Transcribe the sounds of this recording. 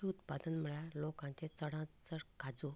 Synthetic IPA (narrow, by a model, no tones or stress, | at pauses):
iut̪pad̪ənm̤əɭjalokãt͡ɕẽt͡səɽãt͡səɽkad͡zu